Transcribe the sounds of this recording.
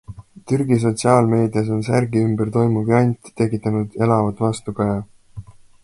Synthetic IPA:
t̪yrɡ̥is̬o̞t̪ʲsiɑːlme̞ːd̪ijɑs̬o̞ns̬ærɡiymbert̪o̞jmuvjɑjnʲt̪i̥t̪e̞kːˑit̪ːˑɑnud̪̥e̞lɑvɑd̪̥vɑst̪ukɑjɑ

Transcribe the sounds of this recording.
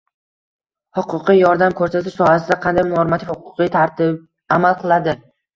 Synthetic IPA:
hʊqʰʊqʰɨjjɒɾd̪amkʰɵɾsat̪ʰɪʃsɒhasɪd̪aqʰɑnd̪ajmʊɒɾɪmat̪ʰɪfhʊqʰʊ̥qɨjt̪ʰaɾt̪ɪb | amalˠqʰɨlˠad̪ɪ

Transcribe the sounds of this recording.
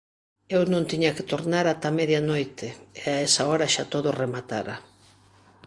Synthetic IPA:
ewnõnt̪iɲake̥t̪oɾnaɾat̪ameðjanojt̪eeaesaoɾaʃat̪oðoremat̪aɾa̰

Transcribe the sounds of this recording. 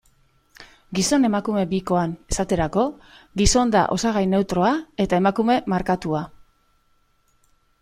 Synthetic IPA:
ɡiso̞ne̞makume̞biko̞ane̞sat̪e̞ɾako̞ɣiso̞nd̪a̰ʔo̞saɣ̞ajne̞wt̪ɾo̞ae̞t̪ae̞makume̞maɾkat̪ua

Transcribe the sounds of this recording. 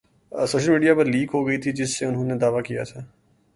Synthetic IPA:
soːʃəlmiːɖijapɐɾliːkɦoɡɐit̪ʰid͡ʒɪsːeʊnɦõned̪aːʋakija̰t̪ʰaː

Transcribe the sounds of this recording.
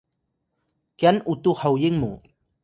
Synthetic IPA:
kjanut̪uhawjiŋmṵ

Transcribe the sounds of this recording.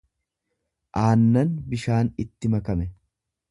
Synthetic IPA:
ʔaːnːɐnbɪʃaːnɪt̪ːɪmɐkɐmɛ

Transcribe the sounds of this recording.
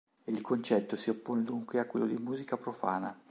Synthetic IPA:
eilkont͡ʃɛt̪ːosiopːond̪uŋkweakːwḛlːod̪imuːzikapɾofa̰ːna

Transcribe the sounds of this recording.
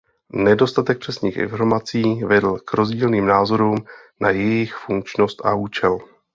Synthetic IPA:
nɛdo̞st̪at̪ɛk̚pr̥ɛsɲiːxʔɪ̰nfo̞ɾmat͡siːvɛdl̩kɾo̞zɟiːlniːmnaːzo̞ɾuːm | najɛjɪxfuŋk̚t͡ʃno̞st̪ʔa̰uːt͡ʃɛl

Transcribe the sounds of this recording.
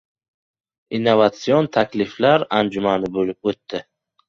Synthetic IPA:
inːovat̪siont̪ʰakʲlɪflaɾand͡ʒumanɪbolɪp̚ot̪ːɪ

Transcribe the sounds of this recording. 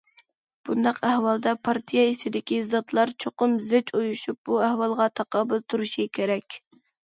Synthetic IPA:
b̥und̪ɑqæhwɑlˠd̪ɑpʰɑɾt̪ʰijɑesɪd̪ɪkʲizɑt̪lˠɑɾt͡ʃʰoqʊmzɪt͡ʃojuʃup̚buæhwɑlˠʁɑt̪ʰɑqɑbɨlˠt̪ʰuɾuʃikʲʰeɾɛkʲ

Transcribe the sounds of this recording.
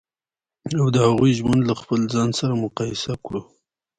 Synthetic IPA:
awd̪əhaɣujʒwand̪laxpəlzɑnsaɾamʊqɑjɪsakɽu

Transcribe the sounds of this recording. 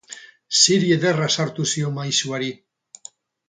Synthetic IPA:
siɾieðerasaɾt̪usio̞majsuaɾi

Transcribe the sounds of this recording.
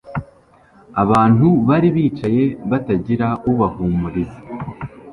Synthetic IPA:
aβaːn̥uβaɾiβiːt͡ʃaje̞βataɟiɾauβahuːmuɾiza

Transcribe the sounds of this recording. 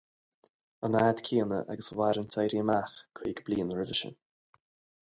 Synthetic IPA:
ənaːd̪̥kʰiːənə̰ʔa̰ɡəswaɾəntʰejɾiəmaxkʰwiːɡbliːnɹɪvəʃə̰n

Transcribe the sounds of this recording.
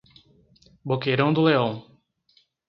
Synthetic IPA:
bokejɾɐ̃w̃d̪ʊleõw̃

